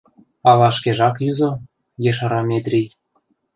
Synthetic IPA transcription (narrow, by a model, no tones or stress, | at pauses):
ɑlɑʃkeʒɑkjyzo | jeʃɑɾɑmʲet̪ɾʲij